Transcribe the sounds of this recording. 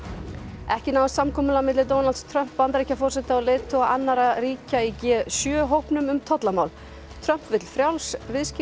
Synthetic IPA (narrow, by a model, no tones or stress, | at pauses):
ɛhcɪnawvsamkʰɔːmʏlamɪt̪lɪt̪ownalt̪st̪ʰɾœm̥pːant̪aɾihcafɔr̥sɛt̪aalɪːt̪ʰoaanːaɾariːcaicɛːsjœːɦowhpnʏmʏmt̪ʰɔt̪lamawl | t̪ʰɾœm̥pvɪt̪l̥fɾjawlsvɪðsc